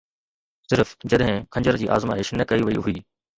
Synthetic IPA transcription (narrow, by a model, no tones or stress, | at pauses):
sɪɾfd͡ʑɐɗɦɪ̃kʰɐ̃ɲd͡ʑəɾd͡ʑiːʔa̰ːzma̰ːɦɪʃnəkɐiʋɐiɦʊiː